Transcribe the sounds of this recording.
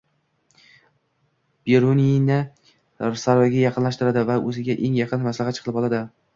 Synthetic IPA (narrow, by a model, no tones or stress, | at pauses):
b̥eɾoninɪ | saɾvaɡʲajɑqʰɨnlaʃt̪ɪɾad̪ɪvaʔɵzɪɡʲaʔe̞ŋjɑqʰɨnmaslahat̪t͡ʃʰɨ̥qɨlɪpɒlˠad̪ɪ